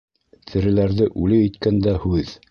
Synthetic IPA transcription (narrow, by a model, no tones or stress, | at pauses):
t̪ʰɘ̆ɾɘ̆læɾðɘʔʉlɘit̪kænd̪æhʉð